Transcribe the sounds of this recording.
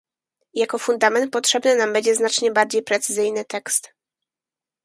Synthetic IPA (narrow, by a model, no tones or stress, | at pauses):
jakɔfund̪amɛnt̪̚pɔtʂɛbnɘnambɛɲd͡ʑɛznat͡ʂɲɛbaɾd͡ʑejpɾɛt̪sɘzɘjnɘt̪ɛkst̪